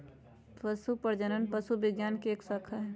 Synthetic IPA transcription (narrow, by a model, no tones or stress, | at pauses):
pɐsupɐɾd͡ʒənənpɐsubɪɡjaːnkieːksaːkʰaɦɛ